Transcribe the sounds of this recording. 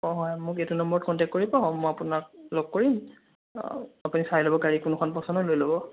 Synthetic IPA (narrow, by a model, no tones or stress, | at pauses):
ɔɦɔjmʊketunɔmbɔɹɔt̚kɔntɛk̚tkoɹibɔmɔjapunakloɡ̚koɹim | apunisajlobɔkaɹikʊnukʰɔnpɔsɔndɔlojlobɔ